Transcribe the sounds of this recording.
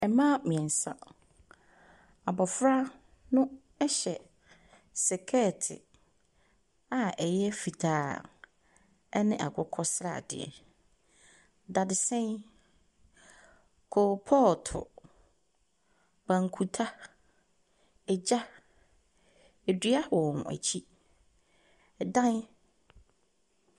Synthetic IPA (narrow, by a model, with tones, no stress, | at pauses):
ɛ˨mã˦mĩ˨ɛ̃˨n̩˨sã̰˨ | a˨bɔ˨fɾa˦ | nʊ̃˦ | ɛ˦ɕɛ˨ | sɛ˨kʰɛ˦˨tʰɪ̰˨ | a˨ɛ˨jɛ˦fi˨tʰaː˦ | ɛ˦nɪ̃˦ʔa̰˨ɡʊ˦kʰɔ˦sɾa̰˨dɪ̰˨ɛ̰˨ | da˨dɪ˨sɛ̃˦n | kʰo˨pʰɔ˦˨ltʰʊ̰˨ | bã˨ŋ˨kʰu˨tʰa˦ | ɛ˨d͡ʑa˦ | e˨dɥa˦˨ɔ˨nʊ̰̃˨æ̰˨t͡ɕʰi˦˨ | dã˦n˦